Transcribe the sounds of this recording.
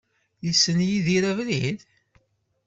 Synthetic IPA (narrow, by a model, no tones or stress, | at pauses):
jisənjiðiɾævlið